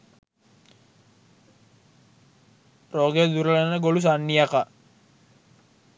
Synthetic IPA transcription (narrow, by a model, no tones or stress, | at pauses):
roɡed̪uɾəlanəɡolus̬anːijaka